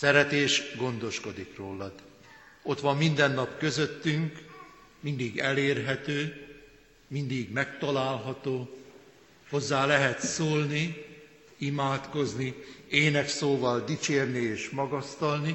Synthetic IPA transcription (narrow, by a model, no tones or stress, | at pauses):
sɛɾɛt̪eːʃɡo̞nd̪o̞ʃko̞d̪ikroːlːɒd̪ | o̞t̪ʋɒmːind̪ɛnːɒpkø̞zø̞t̪ːyŋk | mind̪iɡɛleːrɦɛt̪øː | mind̪iɡmɛkt̪ɒlaːlɦɒt̪oː | ho̞zːaːlɛɦɛt̪soːlni | imaːt̪ko̞znieːnɛksoːvɒld̪it͡ʃeːrnieːʃmɒɡɒst̪ɒlni